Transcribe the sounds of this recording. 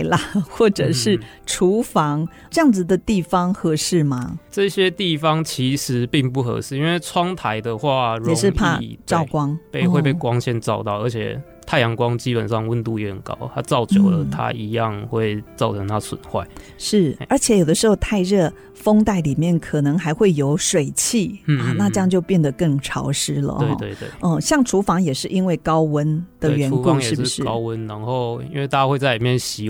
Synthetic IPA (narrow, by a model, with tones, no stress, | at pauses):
ɪlə˨xwɔ˥˩ʈ͡ʂɤ˨˩ʂɻ̩˥˩ | ʈ͡ʂʰu˧˥fɑ˧˥ŋ | ʈ͡ʂɤ˥˧jɑ˥˩ŋd͡z̩˨d̪ə˩t̪i˥˩fɑ˥ŋxɤ˧˥ʂɻ̩˥˩mɐ˩ʈ͡ʂɤ˥˧ɕjɛ˥t̪i˥˩fɑ˦ŋt͡ɕʰi˧˥ʂɻ̩˨˧˦pi˥˧ŋpu˥˩xɤ̰˧˥ʂɻ̩˥˩i˥nwe˥˩ɪt͡sʰwɑ˥ŋt̪ʰa˧˦ɪd̪ə˨xwa˥˧ɻjɛ˨˩˧ʂɻ̩˥˧pʰa˥˧˥ʈ͡ʂɑ˥˧ʊkwɑ˥ŋpe˥˧xwe˥˧ɪpe˥˩ɪkwɑ˦ŋɕjɛ˥˧nʈ͡ʂɑ˥˧ʊt̪ɑ˥˩ʊə˞˧˥t͡ɕʰjɛ̰˨˩ | t̪ʰa˥˩ɪjɑ˧˦˥ŋkwɑ˦ŋt͡ɕi˦˥pə̰˨˩nʂɑ˥˧ŋwə˥˧nt̪u˥˩jɛ˧˥hə˨˩nkɑ̰˦˥ʊt̪ʰa˦t͡sɑ˥˩ʊt͡ɕjo˨˩ʊlə˦t̪ʰa̰˦i˧˥jɑ˥˨ŋxwe˥˩ɪt͡sɑ˥˩ʊʈ͡ʂʰɤ˧˦˥ŋt̪ʰa˥swə̰˨˩nxwa̰˥˩ɪʂɻ̩˥˩ə˞˧˥t͡ɕʰjɛ˨˧˦jo˨˩ʊd̪ə˦ʂɻ̩˧˥xo˧ʊt̪ʰa˥˧ɪɻɤ˥˩ | fo˥ŋt̪a˥˩ɪli˨˩mjɛ˥˩nkʰɤ˨˩nɤ˧˥ŋxa˧˥ɪxwe˥˩ɪjo˧˥ʊʂwe˨˩ɪt͡ɕʰi˥˩a˥˩na˥˧ʈ͡ʂə˥˧jɑ˥˧ŋt͡ɕjo˥˧ʊpjɛ˥˩nd̪ə˩kə˥˩ŋʈ͡ʂʰɑ˧˥ʊʂɻ̩˥lə̰˨e˧ɪ˥˩t̪we˥˧ɪwḛ˥˩ɔ˥˧ɕjɑ˥˩ŋʈ͡ʂʰu˧˥fɑ˧˥ŋjɛ˨˩ʂɻ̩˥˩i˥nwe˥˩ɪkɑ˥ʊwə˦nd̪̥ə˨˧ɥɛ˧˥nu˧˥ɑ˧˦ŋjɛʂ̩˨˩˥ʂ̩˥˨˩ʂɻ̩kɑ˦˥ʊwə˦nna˧˦ŋxo˥˨ʊḭ˥nwe˥˧ɪt̪a˥˧˩a˦xwe˥˧ɪt͡sa˥˩li˨˩mjɛ˥˨˩nɕi˧˥